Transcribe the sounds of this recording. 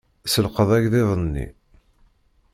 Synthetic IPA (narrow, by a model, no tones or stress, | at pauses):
səlqəðˤæʝðɪðˤənːḭ